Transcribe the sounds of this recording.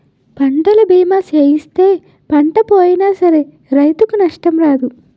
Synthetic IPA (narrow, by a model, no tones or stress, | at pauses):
pɐɳɖɐlɐbiːmaːt͡ʃeːjist̪e̞ː | pɐɳʈɐpoːjinaːsɐɾe̞ | ɾɐjt̪ukunɐʂʈɐmɾaːd̪u